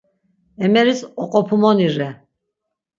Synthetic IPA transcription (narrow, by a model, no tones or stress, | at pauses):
ɛmɛɾisɔqʼɔpʰumɔniɾɛ